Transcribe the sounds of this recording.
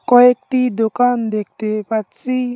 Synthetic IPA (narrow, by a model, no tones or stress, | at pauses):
kɔek̚ʈid̪okand̪ek̚ʰt̪epatt͡si